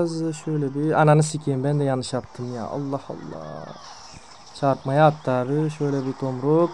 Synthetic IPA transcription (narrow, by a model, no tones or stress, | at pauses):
zʃøjlʲɛbiananɯsicʰembænd̪ɛjanɯʃat̪ʰːɯmja̰ːʔɑ̰lˠːɑhɑ̰lˠːɑ̰ː | t͡ʃʰaɾpmajaːt̪ʰːaːɾɯʃøjlʲɛbit̪ʰomɾok